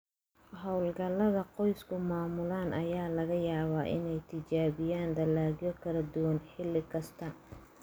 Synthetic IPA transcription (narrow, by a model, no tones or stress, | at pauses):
ɦɔwlɡɐlːɐðɐqɔjskʰʊmaːmʊlaːnʔɐjaːlɐɣɐjaːβaːʔɪ̰nɛjt̪ʰɪt͡ʃaːβɪjaːnd̪ɐlːaːɣjɔkʰɐlɐd̪ʊwɐnħɪlːɪkʰɐst̪ʰɐ